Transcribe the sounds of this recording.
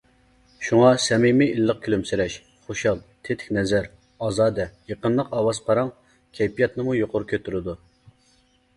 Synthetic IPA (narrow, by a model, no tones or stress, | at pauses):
ʃuŋɑsɛmimɪilːəq̚kʲʰylymsɪɾɛʃ | χoʃɑlˠt̪ʰet̪ʰɪ̥kʲnɛzæɾ | ɑzɑːd̪ɛjəqənlˠəqɑwɑz̥pʰɑɾɑŋ | kʲʰɛjpʰijɑt̪nɨmujoqʊɾukʲʰøt̪ʰyɾɪd̪u